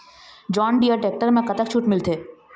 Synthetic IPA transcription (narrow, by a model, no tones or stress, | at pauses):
d͡ʒɔːnɖiəʈeːk̚ʈəɾmẽkɐt̪əkt͡ʃʰuʈmɪlt̪ʰeː